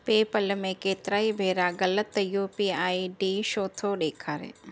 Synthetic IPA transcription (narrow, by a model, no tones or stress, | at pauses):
peːpəlmẽkeːt̪ɾaːibʱeːɾaɡɐlət̪ːjupiaːiɖiʃoːt̪ʰoɗeːkʰaːɾḛː